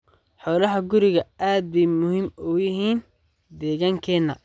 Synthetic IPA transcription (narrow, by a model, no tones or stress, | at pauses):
ħɔːlɐɦɐɡʊɾɪɣɐʔaːd̪̚bɛmʊhimujɪɦiːn | d̪ɛːɣaːŋkʰɛːnːɐ